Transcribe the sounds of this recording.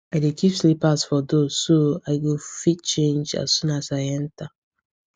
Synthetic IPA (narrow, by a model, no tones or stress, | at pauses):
aɪdekʰipslipasfɔdoz̥ːoaɪɡofit̚t͡ʃẽnd͡ʒa̰ssũnasaɪɛ̃nta